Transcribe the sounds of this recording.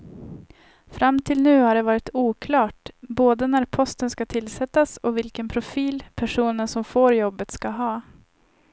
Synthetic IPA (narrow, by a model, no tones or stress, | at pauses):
fɾʔamːt̪ʰɪlnʉ̟ːhaɖɛvɑːɾɪt̪ʰuːkʰlɑːʈboːd̪ənæɾpʰɔst̪ənskat̪ʰɪlːsɛt̪ːasɔvɪlkənpʰɾʊfiːlpʰæʂuːnəsɔmfoːɾjɔbːət̪skɑɦɑː